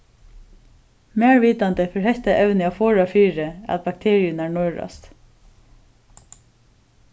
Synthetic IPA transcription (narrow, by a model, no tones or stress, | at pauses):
mɛːɹviːt̪ant̪ɪfɪɹhɛht̪aʔɛwnɪafɔːɹafiːɾɪa̰t̪̚bak̚t̪ʰeːɹɪjʊnæːɹɳɔjɹa̰st̪